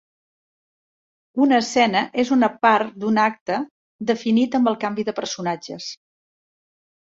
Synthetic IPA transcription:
unəːsɛnəʔezunəpaɾt̪d̪unak̚t̪ə | d̪əfinit̪əmbəlˠkambiðəpəɾsunad͡ʒəs

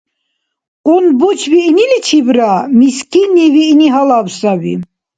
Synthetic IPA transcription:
ɔnbɔt͡ʃʰvinilit͡ʃʰibɾamiskʼiniviniɦalavsavḭ

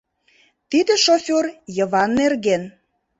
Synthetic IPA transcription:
t̪id̪ĕʃofʲorjə̆βɑnːerɣen

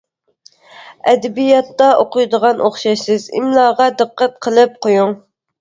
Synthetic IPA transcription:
ɛd̪ɛbijɑt̪ːɑʔoqʊjd̪əʁɑnʔoχʃɑʃsɪzɪ̰mlˠɑːʁɑd̪ɨqːæt̪̚qʰəlˠɨp̚qʰojuŋ

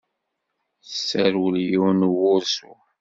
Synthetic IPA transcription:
sːəɾwəljiwnwʊɾsṵ

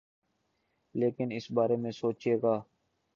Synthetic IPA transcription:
leːkɪnɪsbaːɾeːmẽːsoːt͡ʃeːɡaː

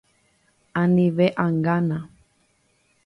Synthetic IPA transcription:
ãnĩʋeʔaŋɡanã

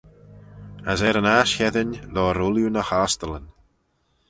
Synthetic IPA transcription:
azɛɾənaːʃhɛðɪnlɔːɾʊlˠjunəhastələn

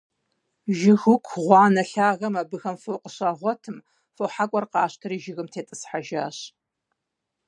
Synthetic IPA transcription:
ʒɪɣʊkʷʰʁʷɑːnɐɬaːɣɐmabɨxɐmfoːqəɕaːʁʷɔtʰɨm | foħakʷʼɔrqɑːɕtʰɨɾiːʒɪɣɨmtʰeːtʼɨsħaʒa̰ːɕ

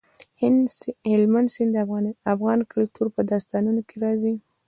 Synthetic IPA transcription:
hɪlmand̪sɪnd̪əafɣɑnkʊlt̪ʰuɾpəd̪ɑst̪ɑnunokeɾɑzi

